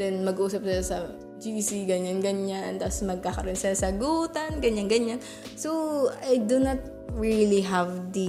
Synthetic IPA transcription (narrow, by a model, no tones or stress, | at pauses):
d̪ɛnmɐɡʔuːsɐp̚sɪlasɐ | d͡ʒisiɡɐɲanɡɐɲant̪asmɐɡ̚kakɐɾʔonsɐsɐɡuːt̪ɐnɡɐɲanɡɐɲan | soajd̪unɐt̪̚ | ɹiliɦavd̪i